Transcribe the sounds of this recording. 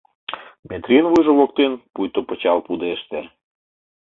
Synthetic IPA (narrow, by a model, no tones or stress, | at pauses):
met̪rʲinvujʒoβokt̪enpujt̪opə̆t͡ɕɑlpud̪eʃt̪e